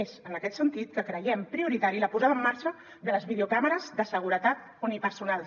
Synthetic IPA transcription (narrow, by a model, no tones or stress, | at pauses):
ezənəkɛt̪sənt̪it̪̚kəkɾəjɛmpɾiuɾit̪aɾiləpuzaβəmːaɾʃə | ðələzβið̞eukaməɾəzðəsəɣ̞uɾət̪at̪̚ | unipəɾsunalˠ